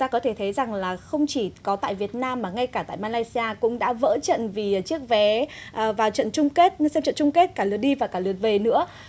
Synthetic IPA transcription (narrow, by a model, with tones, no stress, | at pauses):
t̪aː˧kɔ˨˦t̪ʰe˧˩t̪ʰə˨˦jza˨˩ŋlaː˨˩xə˧wŋ͡mt͡ɕi˧˩kɔ˨˦t̪a̰ː˧˨jvi˨˩ət̚naː˧mːaː˨˩ŋa˧jkaː˧˩t̪a̰ː˧˨jmaː˧laː˧jsi˧aː˧kʊ̰˧˥ŋ͡mɗa̰ː˧˥və̰ː˧˥t͡ɕə̰˧˨nvi˨˩˨t͡ɕək̚vɛ˨˦ʔːvaː˨˩wt͡ɕə̰˧˨nt͡ɕʊ˧ŋ͡mke˦˥t̚sɛ˧mt͡ɕə̰˧˨nt͡ɕʊ˧ŋ͡mke˦˥t̚kaː˧˩lɨ˨˩ət̚ɗi˧vaː˨˩kaː˧˩lɨ˨˩ət̚ve˨˩nɨ̰˧˥ə